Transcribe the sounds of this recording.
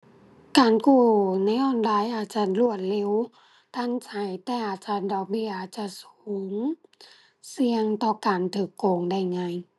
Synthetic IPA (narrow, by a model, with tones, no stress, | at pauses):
kaː˨˩nkuː˧˩na˧˥jʔɔː˧˥˩nlaː˧˥˨jʔaː˨˧˩t̪̚t͡ɕa˧˩t̪lu˧˩ət̪̚le˧˨w | t̪ʰa˧˥˨nsʰa˧˩jt̪ɛː˧ʔaː˨˧˩t̪̚t͡ɕa˧˩ndɔː˨˧˩k̚bi˧˩˨ʔaː˨˩t̪̚t͡ɕa˧˨suː˨˦ŋ | si˧əŋt̪ɔː˧kaː˨nt̪ʰɯː˧˩kːoː˨˩ŋda˧˥˩jŋa˧˨j